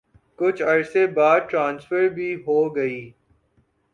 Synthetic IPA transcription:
kʊt͡ʃʰɐɾsebaːd̪̚ʈɾãːnsfəɾbʱiɦoːɡɐiː

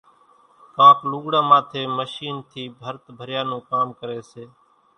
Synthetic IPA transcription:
kãːpluːɡɽãːmãːt̪ʰeːməʃiːnt̪ʰiːbʱəɾt̪bʱəɾjaːnũːkaːmkəɾeːseː

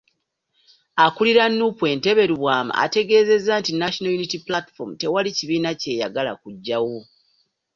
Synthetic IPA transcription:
akuliɾanːupwe̞ːnte̞βe̞ɾiβwaːma̰ːte̞ɡe̞ːze̞zːaːntinaʃonojunitiplati̥fomute̞waliciβiːnace̞ːja̰ɡala̰kuɟːawo

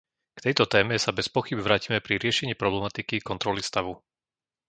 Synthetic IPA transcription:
kt̪ɛjt̪ɔt̪ɛːmɛsabɛspɔxibʋɾaːcimɛpɾiɾɪɛʃɛɲiːpɾɔblɛmat̪ikikɔnt̪ɾɔlist̪aʋu

